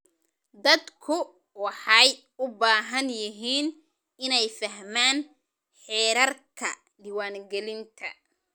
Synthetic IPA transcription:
d̪ɐd̪kʰʊ | wɑħɑj | ʊbaːɦɐnjɪɦiːn | ɪnɛjfɐɦmaːn | ħɛːɾɐrkʰɐ | ɖɪwaːŋɡɛlɪnt̪ʰɐ

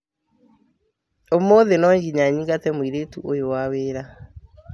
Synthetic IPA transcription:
omoðenɔɲɡiɲaɲiŋɡatɛmwiɾetuʔojowaweːɾa

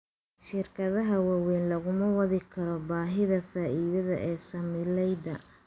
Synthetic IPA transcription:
ʃɪrkʰɐðɐɦɐwawɛːnlɐɣʊmɐwɐðɪkʰɐɾɔbaːɦɪðɐfaːʔiːðɐðɐ̰ʔɛːsɐmɪlɛjd̪ɐ

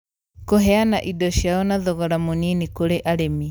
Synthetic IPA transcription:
koɦɛanaʔidɔʃjaɔnaðɔɣɔɾamoninikoɾeʔaɾemi

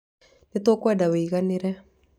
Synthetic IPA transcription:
net̪okwɛdaweiɣaneɾɛ

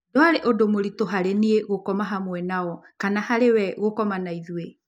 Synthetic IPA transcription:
doaɾeʔodomoɾitoɦaɾenieɣokɔmaɦamwɛnaɔkanahaɾewɛɣokɔmanaiðue

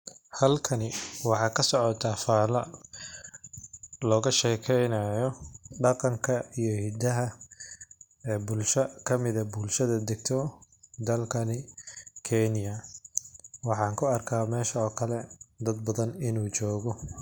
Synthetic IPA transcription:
hɐlkʰɐnɪwɑħɑːkʰɐsɔʕɔt̪ʰafaːlɐ | lɔːɣɐʃɛːkʰɛjnɐjɔɖɑqɑŋkʰɐijɔhɪd̪ɐɦɐ | ɛːbʊlʃɐkʰɐmɪðɐbʊlʃɐðɐd̪ɪɡ̚t̪ʰɔ | d̪ɐlkʰɐnɪkʰɛnɪjɐ | wɑħɑːŋkʰʊɐrkʰaːmɛːʃɐɔːkʰɐlɛd̪ɐd̪̚bɐðɐnɪnuːt͡ʃɔːɣɔ

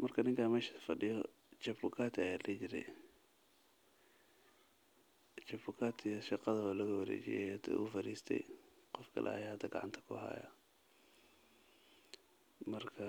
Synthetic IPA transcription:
mɐrkʰɐnɪŋkʰaːmɛːʃɐ̥fɐɖɪjɔ | t͡ʃɐbʊkʰaːt̪ʰːjaːlɐt͡ʃɪɾɛ̰j | t͡ʃɐbʊkʰaːt̪ʰijʃɑqɑðɐɐlɐɣɐwɐɾɛ̰ːt͡ʃɪ̰jɛ̰jɐt̪ʰɛ̰ʔʊfɐɾiːst̪ʰɛ̰jqɔfkʰɐ̰lʔɛ̰ɐ̰jahɐd̪ɐɡɑ̰ʕɑnt̪ʰɐ̥kʰʊ̰ɦɐ̰ːjɐ̰ | mɐrkʰɐ

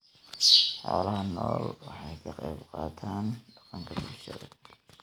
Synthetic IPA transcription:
ħɔːlɐɦɐnɔːlwɑħɑjkʰɐqɑjbqɑːt̪ʰaːnɖɑqɑŋkʰɐbulʃɐðɐ̰

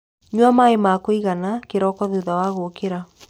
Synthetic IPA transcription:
ɲwamaemakoiɣanakeɾɔkɔðeðawaɣokeɾa

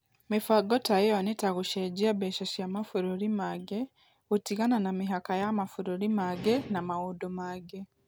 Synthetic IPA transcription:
mifaɡotajeonitaɣuʃeɟiaβeʃaʃiamafuɾuɾimaɡe | utiɣananamiɦakajamafuɾuɾimaɡenamawudomaɡe

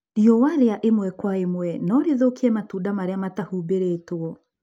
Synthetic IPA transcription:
ɾiɔwaɾeaʔemwɛkwaemwɛnɔɾeðokiɛmatuːdamaɾeamatahubeɾetoɔ

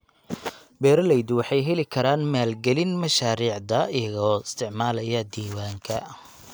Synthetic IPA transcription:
bɛːɾɐlɛjd̪wɑħɑjɦɛlɪkʰɐɾaːnmaːlɡɛlɪnmɐʃaːɾiːʕd̪ɐɪjɐɣɔːɪst̪ʰɪʕmaːlɐjɐd̪iːwaːŋkʰɐ

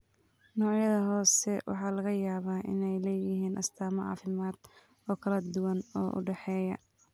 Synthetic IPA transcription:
nɔːʕjɐðɐɦɔːsɛwʔɑ̰ħɑːlɐɣɐjaːβaːʔɪ̰nɛjlɛːjɪɦiːnʔɐst̪ʰaːmɐʕɑ̰ːfɪmaːd̪̥ | ɔːkʰɐlɐd̪ʊwɐnɔːʔʊ̰ɖɛħɛːjɐ

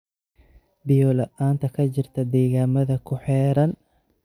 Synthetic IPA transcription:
bɪjɔlɐʔaːnt̪ʰɐkʰɐt͡ʃɪrt̪ʰɐd̪ɛːɣaːmɐðɐkʰʊħɛːɾɐn

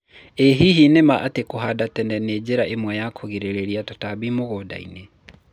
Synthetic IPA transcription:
eɦiɦinemaʔatekoɦadatɛndɛned͡ʑeɾaʔemwɛjakʰoɣeɾeɾeɾiatotabimoɣoda̰ḭne

